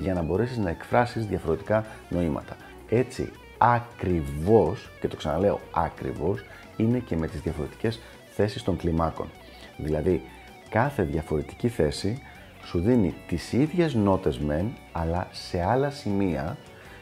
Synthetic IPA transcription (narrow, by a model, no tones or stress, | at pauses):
ʝɐnɐbo̞ɾe̞siznɐe̞kfɾɐsizðʝɐfo̞ɾe̞t̪i̥kɐno̞imɐ̰t̪ɐ̥ | e̞t͡sḭ | ɐkɾivo̞sce̞t̪o̞ksɐnɐle̞o̞̰ɐkɾḭvo̞s | ine̞ce̞me̞t̪izðʝɐfo̞ɾe̞t̪i̥ce̞s | θe̞sist̪o̞ŋklimɐko̞̰n | ðilɐði | kɐθe̞ðʝɐfo̞ɾe̞t̪i̥ciθe̞si | suðinit̪isiðʝe̞zno̞t̪e̞zme̞nɐlɐse̞ɐlɐsimiɐ